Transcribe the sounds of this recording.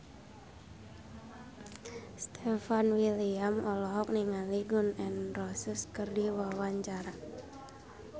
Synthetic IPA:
st̪ʰɛfanwiliamɔlɔɦɔk̚niŋaliɡʊnɛnrɔsəskərdiwawaɲt͡ʃaɾa

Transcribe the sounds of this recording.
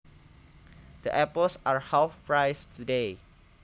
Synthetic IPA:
d̥əʔɛpəlsaɹhalfpɹajstʰude

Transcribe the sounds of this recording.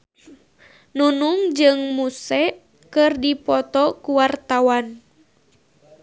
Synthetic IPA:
nunuŋd͡ʒɨŋmusɛ | kɨrdipɔt̪ɔkuwart̪awan

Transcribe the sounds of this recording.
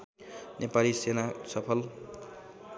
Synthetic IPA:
nepalisenasʌpʰʌl

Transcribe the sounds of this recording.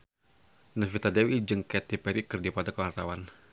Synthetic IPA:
nəfit̪adewid͡ʒɨŋkɛt̪ipɛɾikərdipad̪akəwart̪awan

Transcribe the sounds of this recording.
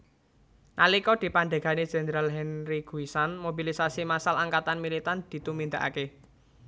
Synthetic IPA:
nalikɔd̪̥i̤pand̪a̤ɡ̥a̤ne̥d͡ʒ̥e̤nəɾalɦɛnɾiɡ̥uisanmobilisasimasalaŋkat̪anmilit̪and̪̥i̤t̪umind̪aʔa̰ke

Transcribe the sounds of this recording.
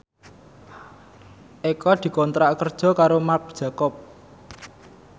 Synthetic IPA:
ʔekɔd̪̥i̤kɔnt̪ɾaʔkərd̥ʒ̥ɔ̤kaɾomark̚d̥ʒ̥a̤kɔp̚

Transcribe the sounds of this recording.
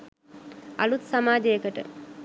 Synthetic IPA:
alut̪samaːd͡ʒejəkəʈə̰

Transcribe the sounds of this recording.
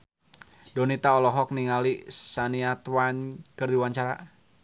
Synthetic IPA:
dɔnit̪aɔlɔɦɔk̚niŋalisaniat̪wankərdiwaɲt͡ʃaɾa̰

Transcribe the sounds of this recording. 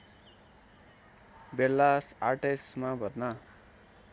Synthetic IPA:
belːasarʈesmabʱʌtna

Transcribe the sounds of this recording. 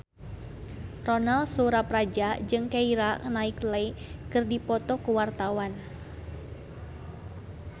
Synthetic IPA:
rɔnalsuɾapɾad͡ʒad͡ʒɨŋkaiɾanaiklajkɨrdipɔt̪ɔkuwart̪awan

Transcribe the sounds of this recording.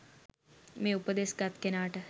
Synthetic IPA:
mẽːupəd̪eːsɡɐt̪kenaːʈə

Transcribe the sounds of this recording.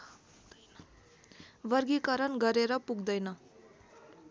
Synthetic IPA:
bʌrɡikʌɾʌnɡʌɾeɾʌpuɡd̪ʌjnʌ

